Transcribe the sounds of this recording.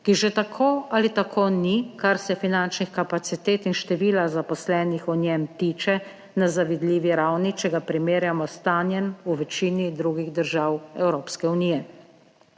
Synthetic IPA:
kiʒɛt̪akʰoːalit̪akʰoːnikaɾsɛfinant͡ʃnixkapat̪sit̪eːt̪inʃt̪ɛʋiːlazapɔslɛːnixɔnjɛmt̪iːt͡ʃɛ | nazaʋid̪liːʋiɾawnit͡ʃɛɡapɾimeːɾjamɔst̪aːnjɛnuʋɛt͡ʃiːnid̪ɾuːɡiɣd̪əɾʒawɛwɾoːpskɛuniːjɛ

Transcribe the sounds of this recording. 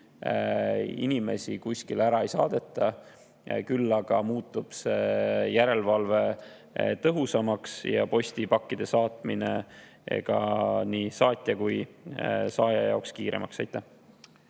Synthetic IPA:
ḭnime̞̰sʲikusʲkilæɾɑe̞jsɑːd̪̥e̞t̪ːˑɑ | kylːɑɡ̥ɑmuːt̪ːˑub̥sejæɾe̞lvɑlve̞ | t̪ɤɦusɑmɑksjɑ̰po̞sʲt̪ipɑkːid̪̥e̞sɑːt̪mine̞ | ḛɡ̥ɑ̰niːsɑːt̪ʲˑjɑkuj | sɑːjɑjɑ̰okskiːɾe̞̰mɑksɑjt̪ːˑæh

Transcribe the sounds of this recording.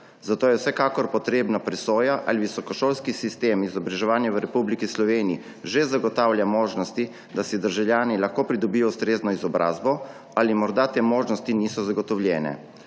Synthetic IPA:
zat̪oːjɛwsɛkaːkɔɾpɔt̪ɾeːbnapɾɛsoːjaʔa̰liʋisɔkɔʃoːlskisist̪eːmizɔbɾaʒɛʋaːnjaʋəɾɛpublikislɔʋeːnii | ʒezaɡɔt̪aːwljamoːʒnɔst̪i | d̪asɛd̪əɾʒawljaːnilaxkoːpɾid̪ɔbijɔust̪ɾeːznɔizɔbɾʔa̰ːzbɔ | alimɔɾd̪at̪eːmoːʒnɔst̪iniːsɔzaɡɔt̪ɔwljɛːnɛ̰

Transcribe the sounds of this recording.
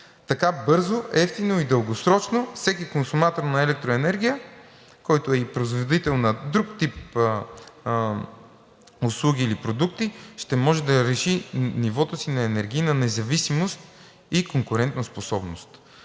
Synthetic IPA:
t̪ɐkabɤɾzoʔɛft̪inoid̪əlˠɡosɾɔt͡ʃnofsɛkikonsumat̪oɾnɐɛlɛk̚t̪ɾʊɛnɛɾɡ̟ʲijə | kɔjt̪oɛipɾozvod̪it̪ɛlˠnɐd̪ɾukt̪ip | ʊslˠuɡʲiːlipɾod̪ukt̪iʃt̪ɛmɔʒɛd̪ɐɾɛʃinivɔt̪osinɐɛnɛɾɡ̟iːnɐnɛzɐvisimost̪̚ | ikoŋkʊɾɛnt̪nɐsposɔbnost̪

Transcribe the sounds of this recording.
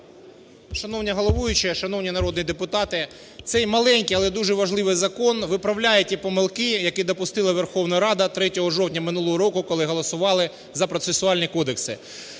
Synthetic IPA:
ʃɐnɔwnʲiɦɔlˠɔʋujʊt͡ʃɪʃɐnɔwnʲinɐɾɔd̪njd̪epʊt̪ɑt̪ɪ | t̪sɛjmɐlˠɛnʲkijɐlˠɛd̪uʒɛʋɐʒlˠɪʋɪjzɐkɔnʋɪpɾɐwlʲajʊtʲipɔmɪlˠkɪjɐkid̪ɔpʊst̪ɪlˠɐʋerxɔwnɐɾɑd̪ɐt̪ɾɛtʲɔɦɔʒɔwtʲnʲɐmɪnulˠɔɦɔɾɔkʊkɔlˠɪɦɔlˠɔsʊʋɑlˠɪ | zɐpɾɔt̪sesʊɑlʲnʲikɔd̪eksɪ̰

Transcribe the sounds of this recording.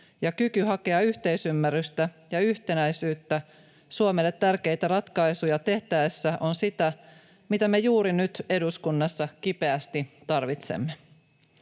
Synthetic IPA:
jɑkykyɦɑke̞ɑyçt̪e̞isymːærːyst̪æjɑyçt̪e̞næjsyːt̪ːæ | suomelːet̪ːærke̞jt̪æɾɑt̪kɑjsujɑt̪e̞ht̪æesːæʔo̞nsit̪æ | mit̪æmejuːɾinyt̪e̞duskunːɑsːɑkipe̞æst̪it̪ɑrʋit̪sḛmːe

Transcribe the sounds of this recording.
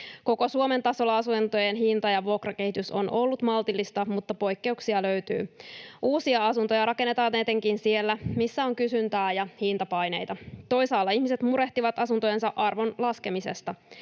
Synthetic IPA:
ko̞ko̞suome̞nt̪ɑso̞lːɑɑsunt̪ojenɦint̪ɑjɑʋuokrɑke̞hit̪yso̞̰nʔo̞lːut̪mɑlt̪ilːist̪ɑmut̪ːɑpo̞jkːe̞uksiɑløɥt̪y̰ːʔuːsiɑɑsunt̪o̞jɑɾɑke̞nːet̪ɑːiet̪eŋkinsie̞lːæmisːæo̞ŋkysynt̪æːjɑhint̪ɑpɑjne̞̰jt̪ɑt̪o̞jsɑːlːɑihmiset̪muɾe̞ht̪iʋɑt̪ɑsunt̪o̞je̞nsɑʔɑrʋo̞nlɑske̞mise̞̰st̪ɑ

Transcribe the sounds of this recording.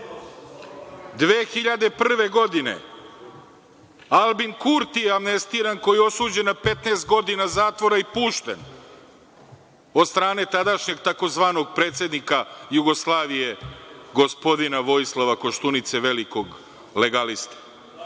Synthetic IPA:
d̪ʋeːxiʎad̪e̞pr̩r̩ʋe̞ɡo̞d̪ine̞̰ | alˠbinkuɾt̪ijeamnest̪iːɾanko̞jio̞suːd͡ʑenapet̪neːst̪̚ɡo̞d̪inazaːt̪ʋo̞ɾaipuːʃt̪ḛn | od̪st̪ɾaːne̞t̪ad̪aʃɲe̞ɡt̪ako̞zʋaːno̞ɡ̚pɾeːt̪se̞d̪nikajuɡo̞slˠaːʋije̞ɡo̞spo̞d̪inaʋo̞jislˠaʋako̞ʃt̪unit̪seʋeliko̞ɡ | le̞ɡalist̪ḁ

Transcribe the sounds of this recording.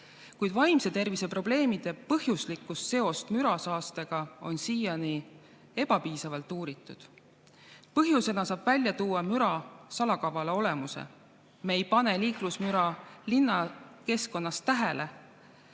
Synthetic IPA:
kujd̪̥vɑjmse̞t̪e̞rvisepro̞ble̞ːmid̪̥e̞pɤhjuslikːˑust̪se̞o̞st̪myɾɑsɑːst̪e̞ɡ̥ɑo̞̰nsiːjɑni | e̞b̥ɑpiːsɑvɑlt̪ːˑuːɾit̪ːˑud̪̥ | pɤɦjuse̞nɑsɑːb̥vælʲjɑt̪uːɑmyɾɑsɑlɑkɑvɑleo̞le̞musḛ | mejpɑne̞liːklusmyɾɑlinːɑke̞sko̞nːɑst̪æɦele̞

